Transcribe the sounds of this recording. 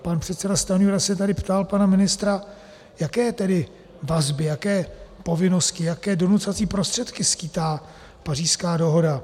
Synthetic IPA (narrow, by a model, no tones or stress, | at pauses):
panpr̝̥ɛt̪sɛdast̪anjuɾasɛt̪adɪpt̪alpanamɪnɪst̪ɾa | jakɛːt̪ɛdɪ | vazbɪjakɛːpo̞vɪno̞scɪjakɛːdo̞nut̪t͡sovat͡siːpɾost̪r̥ɛt̪kɪskiːt̪aː | par̝iːskaːdo̞ɦo̞da